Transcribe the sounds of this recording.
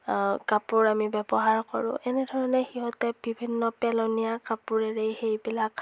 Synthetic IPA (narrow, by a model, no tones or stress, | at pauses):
kapʊɹamibɛbɔɦaɹkɔɹʊ̰̃ʔɛnɛdʱɔɹɔnɛxiɦɔtɛbʱibʱinːɔpɛlɔnijakapuɹɛɹejxejbilak